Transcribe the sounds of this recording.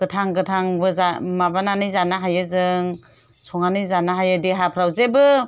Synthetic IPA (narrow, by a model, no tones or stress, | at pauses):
ɡ̥ɯtʰaŋɡɯtʰaŋbɯzamabananɯjzanaɦajɯzɯŋ | sɔŋanɯjzanaɦajɯdiɦapʰɾawzebɯ